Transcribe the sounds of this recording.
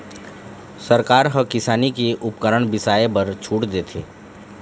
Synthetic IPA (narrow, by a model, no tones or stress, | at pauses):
səɾkaːɾɦəkɪsaːnikeʔʊpkəɾəɳ̃bɪsaːebəɾt͡ʃʰuːʈd̪eːt̪ʰeː